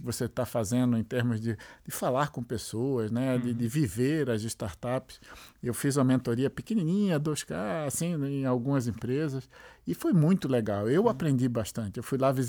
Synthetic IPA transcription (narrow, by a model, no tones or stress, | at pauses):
voset̪afazẽnd̪ʊẽj̃t̪eɾmʊzd̪ɪd̥̪ɪfalaɾkõpesoɐznɛd̪ɪd̪ɪviveɾɐzɪst̪aɾt̪apɪ̥sewfizũmɐmẽnt̪oɾiɐpikẽnĩnĩɲɐd̪oskaasĩẽj̃awɡũmɐzẽpɾezɐsɪfojmũj̃t̪ʊleɡawewapɾẽnd̪ibaʃt̪ɐ̃nt͡ʃ̪ɪewfujlaviz